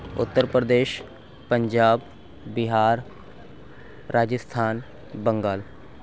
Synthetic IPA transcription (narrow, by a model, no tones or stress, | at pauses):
ʊ̰t̪ːəɾpɾəd̪eːʃ | pəɲd͡ʒaːbː | ɪɦaːɾ | aːd͡ʒəst̪ʰaːn | bə̃ŋɡaːl